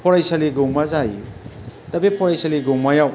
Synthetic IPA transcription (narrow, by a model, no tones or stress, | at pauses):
pʰɔɾajsɐliɡowmazajitɐbepʰɔɾajsɐliɡowmajaw